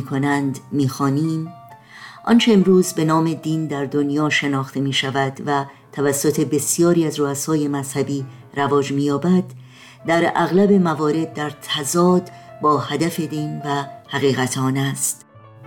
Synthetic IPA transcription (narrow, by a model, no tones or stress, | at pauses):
kʰo̞nænd̪miːxɒːniːm | ʔɒ̰nt͡ʃʰe̞ːmɾuːzbe̞nɒːme̞d̪iːnd̪æɾd̪o̞njɒːʃe̞nɒːxt̪ʰe̞miːʃævæd̪væ | t̪ʰːævæsːo̞t̪ʰe̞be̞sijɒːɾiːæzroæsɒːje̞mæz̥hæbiː | ɾævɒːd͡ʒmiːjɒːbæd̪ː | æɾæ̰ɣlæbe̞mævɒːɾe̞d̪̚ːæɾt̪ʰæzɒːd̪ | bɒːhæd̪æfe̞d̪iːnvæhæɣiːɣæt̪ʰɒːnæst̪